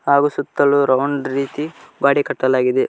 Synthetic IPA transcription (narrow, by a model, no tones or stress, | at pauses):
haːɡusut̪ːɐluɾɐwɳɖɾiːt̪iɡaːɽikɐʈːɐlaːɡid̪e